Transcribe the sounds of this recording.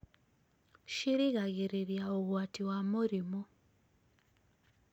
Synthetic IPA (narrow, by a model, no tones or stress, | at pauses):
ʃiɾiɣaɣiɾiɾjaoɣwatiwamuɾimo